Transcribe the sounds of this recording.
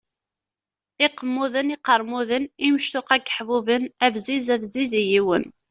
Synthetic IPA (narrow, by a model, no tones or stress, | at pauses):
ɪqːəmːuðənɪqəɾˤmuðənimʃt̪ʊqæɡə̥ħvuvənævzizæθzizijiwə̰n